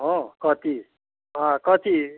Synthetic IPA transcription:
ɦʌ̃kʌt̪i | ɦãkʌt̪i

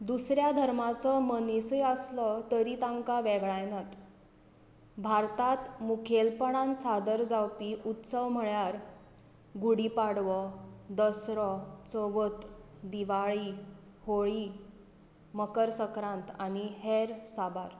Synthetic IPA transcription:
d̪usɾjad̪ʱəɾmat͡sɔmənisəjəslɔt̪əɾit̪ãŋkaʋɛɡɭajnat̪ | bʱaɾt̪at̪mukʰelpəɳãnsad̪əɾd͡zawpiut̪səʋm̤əɭjaɾ | ɡuɽipaɽʋɔd̪əsɾɔt͡səʋət̪ | d̪iʋaɭiː | hoɭi | məkəɾsəkɾãnt̪aniɦeɾsabaɾ

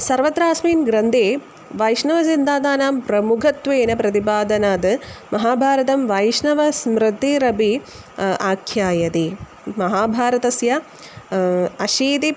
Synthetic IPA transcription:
sɐɾʋɐt̪ɾaːsmiːnɡɾɐnd̪ʱeː | ʋɐjʂnɐʋɐs̬ind̪aːd̪aːnaːmpɾɐmukʰɐt̪ʋeːnɐpɾɐt̪ipaːd̪ɐnaːd̪ɨmɐɦaːbʱaːɾɐt̪ɐmʋɐjʂnɐʋɐsmɾɨt̪ːiɾɐbi | aːkʰjaːjɐt̪i | mɐɦaːbʱaːɾɐt̪ɐsjɐ | ɐʃiːt̪i

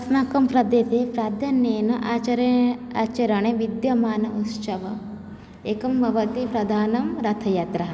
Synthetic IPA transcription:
ɐsnaːkɐmpɾɐd̪eːt̪eːpɾaːd̪ʱjɐneːnɐʔaːt͡ʃɐɾaːt͡ʃɐɾɐɳeʋid̪jɐmaːnɐut̪sɐʋɐ | eːkɐmbʱɐʋɐt̪ipɾɐd̪ʱaːnɐmɾɐt̪ʰɐjɐt̪ɾɐɦɐ

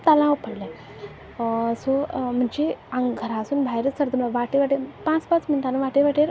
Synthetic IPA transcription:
t̪alãəpəɽlã | som̤əɳd͡ʑeãŋɡɡʱəɾasuːnbʱajɾəsəɾd̪əmlaʋaʈeʋaʈepãt͡spãt͡smint̪anəʋaʈeʋaʈeɾ

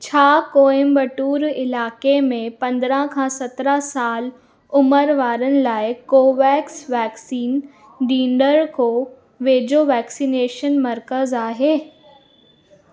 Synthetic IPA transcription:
t͡ɕʰaːkoːẽmbəʈuːɾɪlaːkemẽpɐ̃nd̪ɾãkʰãːsɐt̪ɾasaːl | ʊməɾʋaːɾənɪ̆laːɪkoːʋɛːksʋɛːksiːn | ɖĩːɳɖəɾko | ʋeːd͡ʑoʋɛːksineːʃənmɐɾkəzaːɦeː

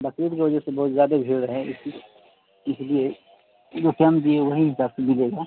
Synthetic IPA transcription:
bɐkɾiːɾkiʋɐd͡ʒəsebɔɦʊt̪zjaːd̪abʱɪɽɦɛ̃ɪs | ɪslie | d͡ʒoːkamd̪ieʋɐɦiɦɪsaːbsemɪleːɡaː

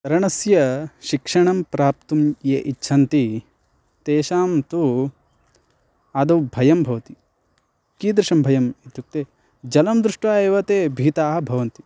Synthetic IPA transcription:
ɐɾɐɳɐsjɐʃikʂɐɳɐmpɾaːp̚t̪umjeʔitːʃʰɐnt̪i | t̪eːʃaːmt̪u | ɐd̪ɐwbʱɐjɐmbʱɐʋɐt̪i | kiːd̪ɾɪʂɐmbʱɐjɐmit̪juk̚t̪eː | d͡ʒɐlɐmd̪ɾuʂʈʋaːeʋɐt̪eːbʱiːt̪aːɦɐ̆bʱɐʋɐnt̪i

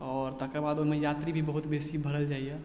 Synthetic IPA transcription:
ɔːɾt̪əkebaːd̪omẽjaːt̪ɾibʱibəɦʊt̪beːsibʱɐɾəld͡ʒaːiɛ

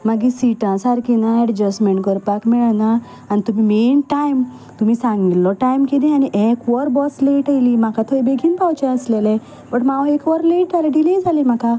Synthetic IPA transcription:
maɡisiʈãsaɾkinãɛɽd͡ʑəsmeɳʈkəɾpakmiɭanaː | nit̪umimenʈajm | t̪um̤isãŋɡilːɔʈajmked̪ẽaniʔekʋɔɾbɔsleʈajlimakat̪ʰɔjbeɡʱinpawt͡ɕeəslelẽ | bəʈmaʋaekʋɔɾleʈaleɖiled͡zalemaka

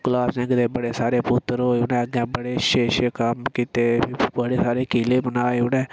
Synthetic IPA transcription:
kʊlaːsnẽːɡəd̪eːbəɽeːsaːɾeːpʊt̪ːəɾɦoːʊnɛ̃ːɡɛ̃ːbəɽeːʃeːʃekəmkit̪eːbəɽeːsaːɾeːkiːleːbənaːeʊnɛ̃ː

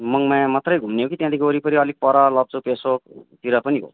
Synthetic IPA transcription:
mʌŋmãmat̪rʌjɡʱumneɦokit̪jãd̪ikoɾipʌɾiʌlik̚pʌɾalʌb̚t͡supesokt̪iɾʌpʌniɦo̰

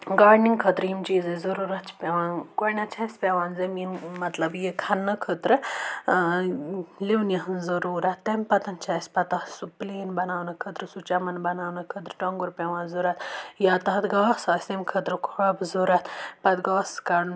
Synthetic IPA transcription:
ɡaːɖniŋkʰət̪ɾjimt͡ʃiːzɐzɐɾuːɾɐt̪t͡ʃʰpʲeʋaːnkonʲat͡ʃʰasʲpʲeʋaːnzɐmiːnmɐt̪lɐbjekʰɐnːɐkʰət̪ɾɨ | liʋnjɐɦɨnzɐɾuːɾɐt̪ːɐmʲpɐt̪ɐnt͡ʃʰaːsʲpɐt̪asupleːnbɐnaːwnɐkʰət̪ɾɨsut͡ʃamɐnbɐnaːwnɐkʰət̪ɾɨʈoŋɡuɾpʲɛʋãːnzuɾɐt̪jaːt̪ɐɦɐt̪ɡɐʋasaːsʲemkʰət̪ɾɨkʰɐbzuɾɐt̪pɐt̪ɡaːskaɽn

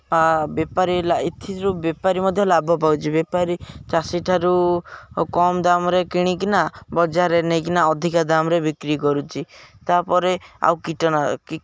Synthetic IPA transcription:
abepaɾilait̪ʰiɾubepaɾimɔd̪ʱjɔlabʱɔpawt͡ʃʰibepaɾit͡ʃasiʈʰaɾu | kɔmd̪amɔɾekiɽ̃ik̬inabɔd͡ʒaɾenekinaɔd̪ʱikad̪amɔɾebikɾikɔɾut͡ʃʰit̪apɔɾea̰wkiʈɔnaki

